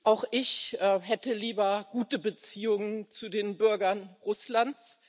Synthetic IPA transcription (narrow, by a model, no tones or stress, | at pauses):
ʔaʊxʔɪçʔɛɦɛtəliːbɐɡuːtəbət͡siːʊŋənt͡sudeːnbʏɐɡɐnʁʊslant͡s